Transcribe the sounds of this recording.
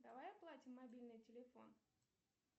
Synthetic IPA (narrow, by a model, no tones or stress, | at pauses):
d̪ɐvajɐplˠatʲɪmːɐbʲilʲnɨjtʲɪlʲɪfon